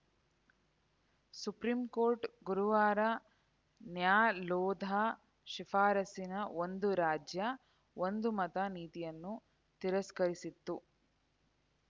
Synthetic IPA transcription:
supɾiːmkoːɾʈɡuɾuʋaːɾɐ | njaːlɔːd̪ʱa | ʃifaːɾɐsinɐond̪uɾaːd͡ʒjɐ | ond̪umɐt̪ɐniːt̪ijɐnːu | t̪iɾɐskɐɾisit̪ːu

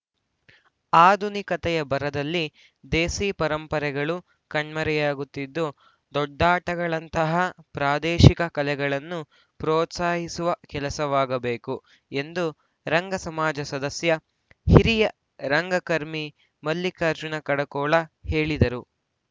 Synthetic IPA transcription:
aːd̪ʱunikɐt̪ɛjɐbɐɾɐd̪ɐlːi | d̪eːsiːpɐɾɐmpɐɾɛɡɐɭu | kɐɳmɐɾɛjaːɡut̪ːid̪ːu | d̪ɔɖːaːʈɐɡɐɭɐnt̪ɐɦɐpɾaːd̪ɛːʃikɐkɐlɛɡɐɭɐnːu | pɾɔːt̪saːɦisuʋɐkɛlɐsɐʋaːɡɐbeːku | e̞nd̪u | ɾɐŋɡɐsɐmaːd͡ʒɐsɐd̪ɐsjɐ | hiɾijɐ | ɾɐŋɡɐkɐɾmi | mɐlːikɐːɾd͡ʒunɐkɐɽɐkɔːɭɐheːɭid̪ɐɾu

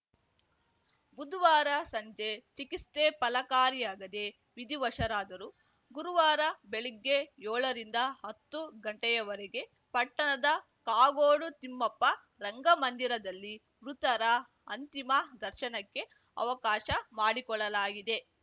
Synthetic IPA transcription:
bud̪ʋaːɾɐsɐɲd͡ʒet͡ʃikist̪eːpɐlɐkaːɾijaːɡɐd̪e̞ | ʋid̪iʋɐʃɐɾaːd̪ɐɾu | ɡuɾuʋaːɾɐbeɭiɡːe̞jɔːɭɐɾind̪ɐɦɐt̪ːuɡɐɳʈɛjɐʋɐɾeɡe̞ | pɐʈːɐɳɐd̪ɐ | kaːɡoːɽut̪imːɐpːɐ | ɾɐŋɡɐmɐnd̪iɾɐd̪ɐlːi | ʋɾut̪ɐɾɐ | ɐnt̪imɐd̪ɐɾʃɐnɐkːe̞ | ɐ̰ʋɐkaːʃɐmaːɽikɔɭɐlaːɡid̪e̞

